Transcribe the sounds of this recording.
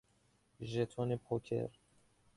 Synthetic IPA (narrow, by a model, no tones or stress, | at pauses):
ʒet̪ʰɔnepʰɔkʰḛɾ